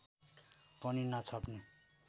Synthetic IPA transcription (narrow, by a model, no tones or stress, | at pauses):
pʌninʌt͡sʰʌpni